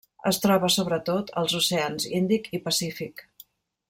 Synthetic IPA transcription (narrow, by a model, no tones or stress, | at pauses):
ə̰st̪ɾɔβəsoβɾət̪ot̪ʰə̰lˠzuseanzind̪ikipəsifik